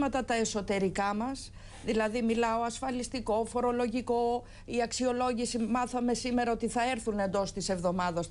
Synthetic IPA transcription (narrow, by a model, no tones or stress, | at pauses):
mɐt̪ɐt̪ɐe̞so̞t̪e̞ɾikɐmɐs | ðilɐðimilɐo̞ɐsfɐlist̪iko̞fo̞ɾo̞lo̞ʝiko̞ | iɐksio̞lo̞ʝisimɐθɐme̞sime̞ɾɐot̪iθɐe̞ɾθune̞nd̪o̞st̪ise̞vðo̞mɐðɐs